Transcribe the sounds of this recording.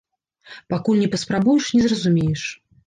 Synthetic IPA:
pakulʲnʲɛpɐspɾabujɛʂnʲɛzrɐzumʲejɛʂ

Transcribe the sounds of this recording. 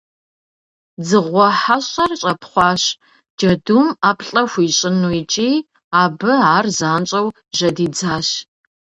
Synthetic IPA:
d͡zɨʁʷɔħaɕʼɐrɕʼɐpʰχʷɑːɕ | d͡ʒɐdumaːpʰɬʼɐxʷiːɕʼɪnuit͡ʃʼiː | aːbɨaːrzaːnt͡ʃʼɐw | ʒɐdiːd͡zaːɕ

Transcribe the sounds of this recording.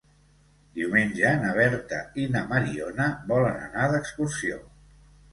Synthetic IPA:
d̪iwmenʲd͡ʒənəβ̞ɛɾt̪əinəməɾionəβɔlənə̰naðəkskursio

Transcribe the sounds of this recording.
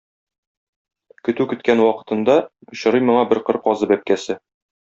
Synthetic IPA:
kɵ̆t̪ʉkɵ̆t̪kænwɒqɤ̥̆t̪ɤ̆nd̪ɑ̆ɕɤ̆ɾɤjmŏɴɑbɘɾqɤɾqɒzɤbæp̚kæsɘ

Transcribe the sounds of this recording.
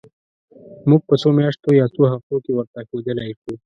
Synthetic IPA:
muɡ̚pət͡somjɑʂt̪ojɑt͡soɦaft̪okewəɾt̪axed̪əlajʃu

